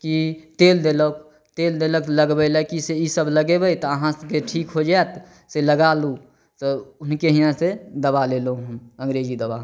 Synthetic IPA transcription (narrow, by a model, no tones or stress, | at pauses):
kit̪eːld̪elək | t̪eld̪eləkləɡbələkiseisəbləɡebəit̪ɔəɦãskeʈʰiːkɦod͡ʒaɛt̪ | seləɡalu | t̪oʊnkeɦijãsed̪əbalelũɦũmə̃ŋɡɾeːd͡ʒid̪əba